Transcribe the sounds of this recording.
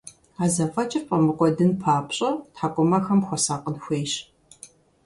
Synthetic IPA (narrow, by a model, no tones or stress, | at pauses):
aːzɐfʼɐt͡ʃʼɪrpʼɐmɨqʷʼɔdɨnpʰaːpɕʼɐtħaːkʷʼɔmɐxɐmxʷɔsaːqʼənxʷeːjɕ